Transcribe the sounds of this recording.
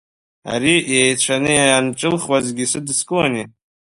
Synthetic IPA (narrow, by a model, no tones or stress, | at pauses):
a̰ɾijejt͡ɕʷʰanɨjanʈ͡ʂʼɨlχwazɡʲisɨdskʼɨwani